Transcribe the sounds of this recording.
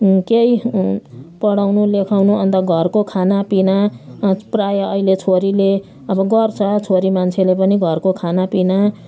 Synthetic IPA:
kej | pʌɽawnulekʰawnuʌnd̪aɡʱʌrkokʰanapina | prajʌʌilet͡sʰoɾile | ʌbʌɡʌrt͡sʰʌt͡sʰoɾimant͡sʰelepʌniɡʱʌrkokʰanapina

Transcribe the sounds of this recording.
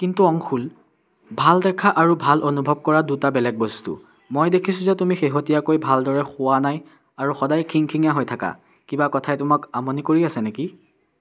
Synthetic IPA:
kintuɔŋxʰul | bʱaldɛkʰaʔaɹubʱalonubʱɔb̚kɔɹadutabɛlɛk̚bostṵ | mojdekʰisʊ̃zɛtumixeɦotijakojbʱaldɔɹɛxʊwanaj | aɹuxɔdajkʰiŋkʰiŋaɦojtʰaka̰ | kibakɔtʰajtʊmakamonikoɹiasɛneki

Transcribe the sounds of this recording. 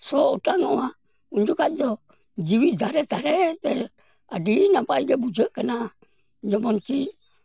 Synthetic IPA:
sɔutaŋoa | und͡ʒukad͡ʒɔ | d͡ʒiwizaɾɛzaɾɛtɛɾ | a̰dinapaɡebud͡ʒəʔkəna | d͡ʒɔmɔnt͡ʃin

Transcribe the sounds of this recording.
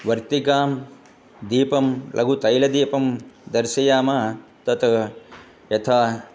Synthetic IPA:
ʋɐɾt̪iɡaːm | d̪iːpɐmlʔɐ̰ɡʱut̪ɐjlɐd̪iːpɐmd̪ɐɾʃɐjaːmaːt̪ɐt̪ʰɐ | jɐt̪ʰaː

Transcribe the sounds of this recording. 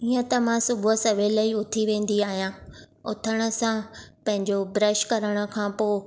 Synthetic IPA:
iə̃t̪ɐmãsʊbʱʊsɐʋelɐiʊt̪ʰiʋẽːn̆d̪iaːɦijãː | ʊt̪ʰəɽ̃ə̆sãpɐ̃ɦɪ̃ɲd͡ʑobɾəʃkɐɾəɽ̃ə̆kʰãːpoː

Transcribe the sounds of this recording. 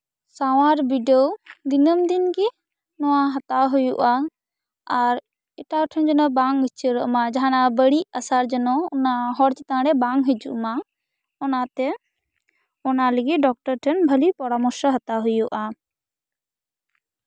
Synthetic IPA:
saw̃aɾbiɖɔd̪inəmd̪inɡi | nɔwaɦat̪aɦujuʔa | aɾ | ɛʈaʈʰənd͡ʒɔnɔbaŋɦət͡ʃʰəɾɔʔmad͡ʒaɦanabəɽiʔasaɾd͡ʒɔnɔːnaɦɔɾt͡ʃɛt̪ãɽɛbaŋɦəd͡ʒṵʔma | ɔnat̪ɛ | ɔnaləɡiɖɔk̚ʈɔɾʈʰənbʱəlipɔɾamɔɾʃɔɦət̪aɦujuʔa

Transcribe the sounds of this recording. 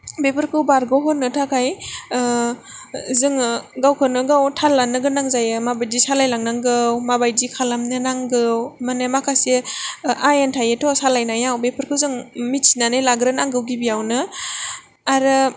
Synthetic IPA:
bepʰɯɾkʰɯwbaɾɡɔɦɔnːɯtʰakʰaj | zɯŋɡawkʰɯnɯɡawtʰalːanɯɡɯnaŋzajɯmabajdisalajlaŋnaŋɡɯwmabajdikʰalamnɯnaŋɡɯwmanamakʰase | ajentʰajetʰɔsalajnajawbepʰɯɾkʰɯwzɯŋmitsi̥nanɯjlaɡɾɯnaŋɡɯwɡibiawnɯ | aɾɯ

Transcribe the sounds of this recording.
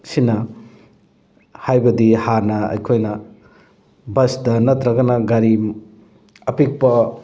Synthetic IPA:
sinɐ | hajbɐdihaɾnɐɐ̰jkʰojnɐ | bɐsdɐnɐt̪ɾɐɡɐnɐɡɐɾi | ɐpik̚pɐ

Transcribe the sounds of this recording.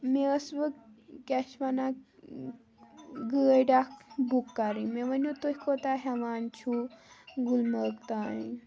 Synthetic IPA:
meəsʋəkkʲɛʃʋana | ɡəəɖakbukːaɾĩmeʋɐnjut̪ohʲkʰot̪aɦeʋaːnt͡ʃʰuɡulməkt̪aːĩ

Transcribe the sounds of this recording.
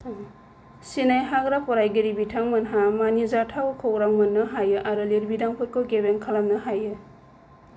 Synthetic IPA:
sinajɦaɡɾapɔɾajɡiɾibitʰaŋmɐnɦamanizatʰawkʰoɡɾaŋmɯnːɯɦajɯʔaɾɯliɾbidaŋpʰɯt̚kɔɡebenkʰalamnɯɦajɯ

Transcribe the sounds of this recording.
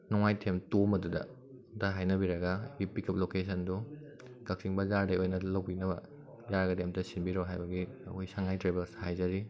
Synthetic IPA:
nɔŋajtʰemtomɐdudɐ̰ | dɐɦajnɐbiɾɐɡɐbipikʰɐp̚lokesʰɐndu | kɐk̚siŋbɐzaɾdɐjojnɐlɐwbinɐbɐ̰ | jaɾɡɐdemtɐsinbiɾoɦajbɐɡḭojsaŋajtɾebelshajzɐɾi

